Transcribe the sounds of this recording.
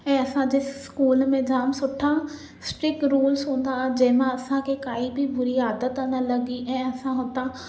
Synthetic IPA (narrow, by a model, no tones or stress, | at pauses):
ɛ̃ːɐsãd͡ʑeːskuːlmẽd͡ʑaːmsʊʈʰã | sʈɾɪkɾuːlzɦũːn̆d̪aːd͡ʑɐ̃ɦɪ̃mãɐsãkʰekaːibʱibʊɾiaːd̪ət̪ɐnəlɐɡiʔɛ̃ːɐsãɦʊ̃t̪a